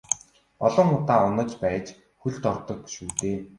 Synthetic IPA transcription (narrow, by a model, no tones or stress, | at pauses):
ɔɮɞ̆ŋʊt̪aːʊnə̆t͡ɕpæːt͡ɕ | xuɮt̪ɔr̥t̪ɞ̆kʃuːt̪eː